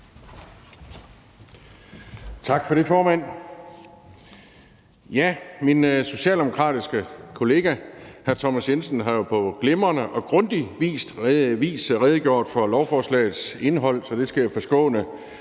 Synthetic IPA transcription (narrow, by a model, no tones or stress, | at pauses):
t͡sʰɑ̈ɡ̥fɒ̽ɾe̝fɒːmæn̰ | jæminso̝ɕɛ̰ːld̥e̝mo̝kʰʁɑ̰̈ːd̥isɡ̥əkʰo̝le̝ːɡ̥æhæɐt͡sʰɒmæsjensn̩ɦɑ̈jo̝pʰɒ̽ɡ̥le̝mɐnəʔɒ̽ɡ̥ʁɔ̽nd̥iʋḭːsd̥ʋḭːsʁɛð̞ˠɡ̥jo̝̰ɐ̰d̥fɒ̽lɒʊfɒːslɛ̰ɪð̩ˠse̝nɦɒ̽l̰sɒ̽d̥e̝sɡ̥æjæfɒ̽sɡ̥ɔ̰̽ːnə